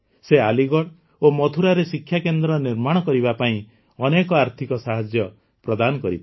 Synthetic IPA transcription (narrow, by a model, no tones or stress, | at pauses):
sealiɡɔɽ | omɔt̪ʰuɾaɾesikʰːjakend̪ɾɔniɾmaɽ̃ɔkɔɾibapaĩ | ɔnekɔaɾt̪ʰikɔsaɦad͡ʒjɔ | pɾɔd̪anɔkɔɾit̪